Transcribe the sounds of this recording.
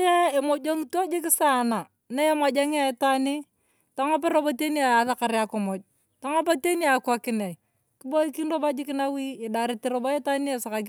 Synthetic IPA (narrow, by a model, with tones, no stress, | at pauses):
ja˦e˨mo˨d͡ʒo˦ŋto˦d͡ʒɪ˦kɪ˦sa˦˨na˨ | na˦je˦ma˨d͡ʒa˦ŋ˦a˨˦ta˦ni˦ | ta˦ŋa˦p̬e˦ɾo˦bo˦te˦ni˦a˨ja˨ða˦ka˨ɾa˦ko˨mɔ˨d͡ʒ̚ | ta˦ŋa˦pa˦te˦ni˦a˨kwa˨kɪ˨nɛ˨i˨ | kɪ˦bo˦i˦ki˦nro˦ba˦d͡ʒɪ˦kɪ˦na˦wiː˦˨da˨ɾɪ˨ti˨ɾo˨ba˦je˦ta˦ni˦e˨sa˨ka˨k